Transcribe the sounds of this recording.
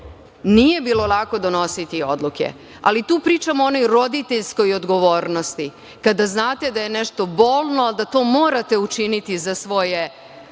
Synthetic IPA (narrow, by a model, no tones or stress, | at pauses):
nije̞biːlo̞lˠako̞d̪ono̞sit̪io̞d̪luke̞̰ | a̰lit̪uːpɾiːt͡ʃamoono̞jɾo̞d̪it̪eʎsko̞jod̪ɡo̞ʋo̞ːɾno̞st̪i | kad̪aznaːt̪e̞d̪aje̞nɛʃt̪o̞bo̞ːlˠnoald̪at̪o̞ːmoːɾat̪e̞ut͡ʃinit̪izasʋo̞je̞